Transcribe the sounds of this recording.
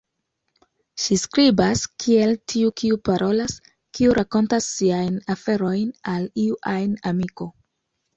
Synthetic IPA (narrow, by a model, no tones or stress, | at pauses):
ʃiskɾibaskʰie̞ltʰiukiupaɾʔo̞las | kiuɾʔako̞ntasːiajnafe̞ɾo̞jnaliuʔajnamiko̞